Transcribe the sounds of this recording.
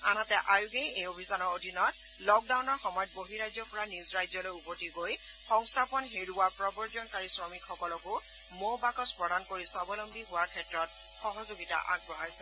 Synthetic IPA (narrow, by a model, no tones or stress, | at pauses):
anatɛʔajʊɡejejobʱisanɔɹodʱinɔt | lɔk̚dawnɔɹxɔmɔjɔt̚boɦiɹajzɔpɔɹanizɹajzɔlojupɔtiɡoj | xɔŋstʰapɔnɦeɹuapɹɔbɔɹzɔnkaɹisɹɔmikxɔkɔlɔkʊ | mowbakɔspɹɔdankoɹisabɔlɔmbiɦʊwaɹkʰɛtɹɔt̚ | xɔɦɔzoɡita̰ʔa̰ɡ̚bɔɦajsɛ